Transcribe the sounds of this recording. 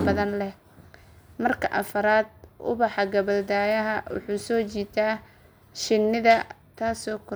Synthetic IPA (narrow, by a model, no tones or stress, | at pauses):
bɐðɐnlɛh | mɐrkʰɐʔɐfɐɾaːd̪̚ʔʊ̰βɑħɑɡɐβɐld̪aːjɐɦɐwʊ̰ħuːsɔːt͡ʃiːt̪ʰaː | ʃɪnːɪðɐ | t̪ʰaːsɔːkʰɔ